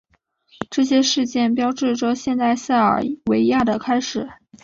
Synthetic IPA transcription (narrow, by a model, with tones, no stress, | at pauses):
ʈ͡ʂɤ˥˩ɕ̬jɛ˥ʂɻ̩˥˧t͡ɕjɛ˥˩np̬jɑ˥ʊʈ͡ʂɻ̩˥˩ʈ͡ʂɤ˧˩ɕjɛ˥˧nt̪a˥˧ɪɕa˥˩ɪə̰˞˨˩we˧˥ɪja˥˩d̪ə˩kʰa˥ɪʂɻ̩˨˩˦